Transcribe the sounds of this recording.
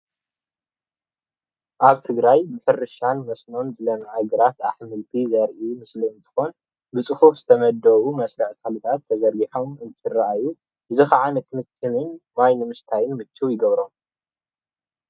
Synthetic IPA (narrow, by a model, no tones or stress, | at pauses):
ʔaβt̪ʰɨɡɾajbɨħɨrɨʃanmɐsno̞nzɨlɐmaʕaɡɨɾat̪ʰaħmɨlt̪ʰizɐɾʔimɨsliɨnt̪ʰɨ̥xo̞n | bɨt͡sʼɨhufz̥ɨt̪ʰɐmɐd̪ɐwumɐsɾɐħkʰalut̪ʰat̪ʰːɐzɐɾɡiħo̞mɨnt̪ʰɨraʔaju | ɨzɨxaʕanɨt̪ʰimɨt̪ʰʼːɨmɨnmajnɨmɨst̪ʰajɪnmɨt̪ʰːiwjɪɡɐβɾom